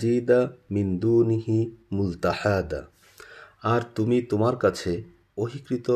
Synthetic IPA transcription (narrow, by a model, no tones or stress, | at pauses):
iːd̪amind̪uːniɦimʊlt̪aħad̪a̰ | aɾt̪umit̪omaɾkat͡ɕʰe | oɦikɾit̪o